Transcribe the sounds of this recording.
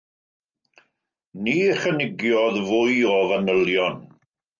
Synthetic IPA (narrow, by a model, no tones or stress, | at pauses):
niːχənɪɡjɔðvʊɨɔvanəlˠjɔn